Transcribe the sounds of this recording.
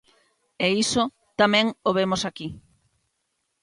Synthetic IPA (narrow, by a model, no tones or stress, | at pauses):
eiso | t̪amɛ̃ŋoβemosaki